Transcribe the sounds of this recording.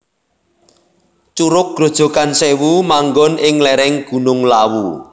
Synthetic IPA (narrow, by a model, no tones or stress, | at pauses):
t͡ʃuɾʊk̚ɡ̥ɾo̤d̥ʒ̥o̤kansewumaŋɡɔnʔɪŋlɛɾɛŋɡ̥ṳnʊŋlawu